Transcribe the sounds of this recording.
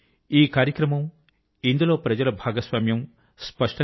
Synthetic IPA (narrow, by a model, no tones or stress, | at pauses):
iːkaːɾjɐkɾɐmɐm | ind̪ulo̞ːpɾɐd͡ʒɐlɐbʱaːɡɐsʋaːmjɐm | spɐʂʈɐ